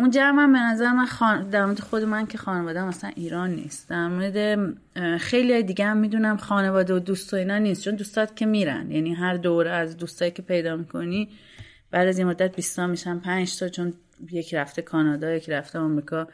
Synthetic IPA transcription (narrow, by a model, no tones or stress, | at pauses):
und͡ʒævmæmbe̞næzæɾemænxɒːnd̪æɾmoɾed̪exo̞d̪e̞mæncʰe̞xɒːnevɒːd̪eæmæsæ̰nʔiːɾɒːnːḭːst̪d̪̥æɾmoɾed̪e̞ | xe̞jliɒːjed̪iɟeæmːiːd̪unæmxɒːne̞vɒːd̪eod̪uːst̪ʰoiːnɒːniːst̪t͡ʃʰo̞nd̪uːst̪ʰɒːd̪cʰe̞miːɾæ̰nd̪jæniɦæɾd̪oɾeæzd̪uːst̪ʰɒːicʰʲe̞pʰe̞jd̪ɒːmikʰo̞ni | b̥æːd̪æzinmo̞d̪ːæt̪̚bist̪ɒːmiʃænpʰænd͡ʒsɒt͡ʃʰo̞n | je̞cʰɾæft̪ʰekʰɒːnɒːd̪ɒːjecʰɾæft̪ʰeɒmɾiːkʰɒː